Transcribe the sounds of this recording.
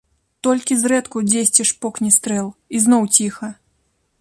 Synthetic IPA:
t̪ɔlʲkʲizrɛt̪kud͡zʲesʲt͡sʲɛʂpɔknʲist̪ɾɛlˠiznɔwt͡sʲixɐ

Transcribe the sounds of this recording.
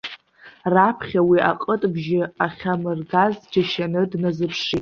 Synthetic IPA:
rapʰχʲawiʔa̰qʼətʼbʒɪaχʲamɨrɡazd͡ʒaʃanɨdnazɨpʰʂitʼ

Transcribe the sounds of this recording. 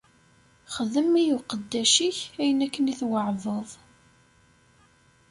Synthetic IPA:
χəðəmːijuqəd̪ːæʃiçæjənækːəniθwəʕvəðˤ

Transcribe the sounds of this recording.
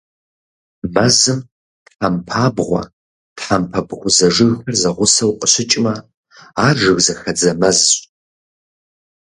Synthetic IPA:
mɐzɨm | tħampʰaːbʁʷɔ̰ | tħampʰɐbʁʷʊzɐʐɨɣxɐrzɐʁʷʊsɐwqʷʼəɕɪt͡ʃʼmɐ | aːʐɨɣzɐxɐd͡zɐmɐzɕʼ

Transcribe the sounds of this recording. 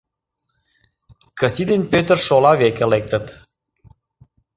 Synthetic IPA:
kəsid̪enpøt̪ərʃolɑβekelek̚t̪ət̪

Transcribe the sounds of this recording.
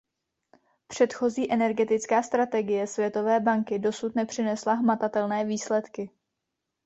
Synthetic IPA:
pr̝̥ɛt̪xo̞ziːʔɛnɛɾɡɛt̪ɪt͡skaːst̪ɾat̪ɛɡɪjɛsvjɛt̪o̞vɛːbaŋkɪdo̞sut̪nɛpr̥ɪnɛslaɦmat̪at̪ɛlnɛːviːslɛt̪kɪ

